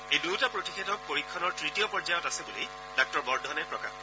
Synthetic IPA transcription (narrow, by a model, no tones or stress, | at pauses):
ejduwtapɹotixʰetɔk̚poɹikʰːɔnɔɹtɹitijɔpɔɹd͡ʒajɔtasebuli | dɔk̚tɔɹbɔɹdʱɔnɛpɹɔka̰